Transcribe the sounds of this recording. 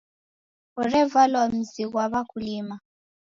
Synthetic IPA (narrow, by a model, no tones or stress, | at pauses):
ɔrɛvalwam̩ziɣwaβakʰuliːma